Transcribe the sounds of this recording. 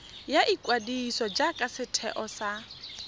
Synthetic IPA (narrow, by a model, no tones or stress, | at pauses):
jaʔikʼwadisɔd͡ʒakʼasɪtʰɛ̰ʔɔsa